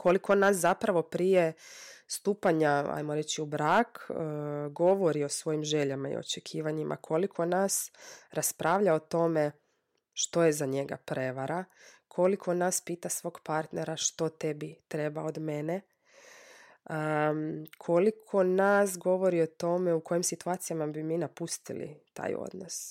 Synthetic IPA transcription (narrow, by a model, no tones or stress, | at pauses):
kʰo̞likonaːs̬zapɾaʋo̞pɾijest̪uːpaɲaa̰jmoɾe̞t͡ɕiubɾaːk | ɡo̞ʋo̞ɾio̞sʋo̞jimʒe̞ʎamaḭo̰t͡ʃekʰiːʋaɲimʔa̰kʰo̞likʰo̞nasɾaspɾʔaːʋʎaot̪o̞me̞ | ʃt̪o̞je̞zaɲeɡa̰pɾe̞ʋaɾakʰo̞likʰo̞naːspiːt̪asʋo̞ːɡpaɾt̪neɾaʃt̪o̞t̪ebit̪ɾe̞baod̪me̞ne | ə | kʰo̞likʰo̞nas̬ɡo̞ʋo̞ɾio̞t̪o̞me̞uko̞jimsit̪uat̪sijamabimiːnapust̪ḭlḭt̪a̰ːjo̰d̪nos